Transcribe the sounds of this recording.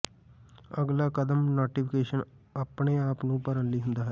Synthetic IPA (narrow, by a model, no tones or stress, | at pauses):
əɡlaːkəd̪əmnoːʈiːpʰkeːʃən | aːpɳeːaːpnũːpəɾənliːɦʊnd̪aːɦɛː